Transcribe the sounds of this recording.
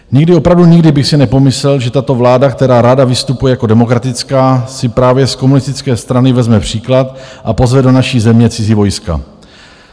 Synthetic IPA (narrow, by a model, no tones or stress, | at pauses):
ɲɪɡdɪo̞pɾavduɲɪɡdɪbɪxsɪnɛpo̞mɪslɛlʒɛt̪at̪o̞vlaːdakt̪ɛɾaːɾadavɪst̪upujɛjako̞dɛmo̞kɾat̪ɪt͡skaːsɪpɾaːvjɛsko̞munɪst̪ɪt͡skɛːst̪ɾanɪvɛzmɛpr̝̥iːklat̪ʔapo̞zvɛdo̞naʃiːzɛmɲɛt͡sɪziːvo̞jska̰